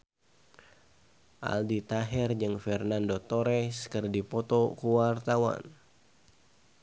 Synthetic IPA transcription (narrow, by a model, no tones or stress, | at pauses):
ʔa̰ldit̪aɦɛrd͡ʒɨŋfɛrnandot̪oɾɛskərdipɔt̪ɔkuwart̪awa̰n